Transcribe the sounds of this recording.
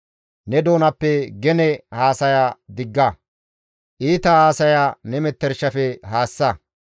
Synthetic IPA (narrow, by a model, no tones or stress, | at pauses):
nɛd̪o̞ːnɐpːɛɡɛnɛhaːsɐjad̪ɪɡːɐ | ʔiːt̪ɐhaːsɐjanɛmɛt̪ːɛɾʃɐfɛɦaːsːɐ